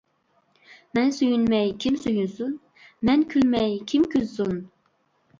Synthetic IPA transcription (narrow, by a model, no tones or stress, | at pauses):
mɛnsyjynmɛjkʲʰimsyjynsyn | mɛnkʲʰylmɛjkʲʰimkʲʰyzsun